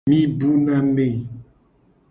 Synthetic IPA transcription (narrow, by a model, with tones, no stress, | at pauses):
mĩ˦bu˦nã˦me˨